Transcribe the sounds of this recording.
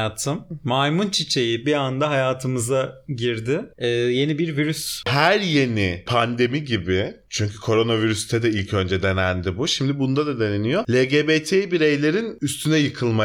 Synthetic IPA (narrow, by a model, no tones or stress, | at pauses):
aːt̪ʰɯmːajmunt͡ʃʰit͡ʃʰe̞jibiand̪aɦajaːt̪ʰɯmɯzaɟiɾd̪ɪːje̞nibiɾviɾyshæɾje̞nipʰand̪e̞miɟibɪt͡ʃʰyɲcʰykʰo̞ɾo̞naviɾyst̪ʰɛd̪ɛilʲcʰø̞nd͡ʒɛd̪enænd̪ibuʃimd̪ibund̪ad̪ad̪e̞nenijolʲeɟebet̪ʰejibiɾe̞jlʲe̞ɾinyst̪ʰynɛjɯkʰɯlˠma